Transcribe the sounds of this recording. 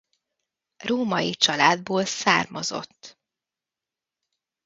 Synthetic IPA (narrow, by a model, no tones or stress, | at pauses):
roːmɒjit͡ʃɒlaːd̪̚boːlsaːrmɒzo̞̰t̪ː